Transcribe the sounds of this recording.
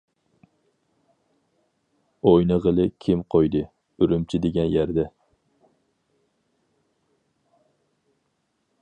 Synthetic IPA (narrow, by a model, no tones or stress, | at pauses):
ojnɨʁəlˠɨkʲʰɪmqʰojd̪ɨ | yɾymt͡ʃʰɪd̪eɡʲɛnjæɾd̪ɛ